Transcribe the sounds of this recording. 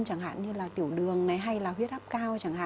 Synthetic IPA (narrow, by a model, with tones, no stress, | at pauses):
nt͡ɕa˧˩ŋɦa̰ː˧˨nɲɨ˧laː˨˩t̪i˧˩əwɗɨ˨˩əŋna˨˦jɦa˧jlaː˨˩ɦwi˦˥ət̚ʔp̚kaː˧wt͡ɕa˧˩ŋha̰ː˧˨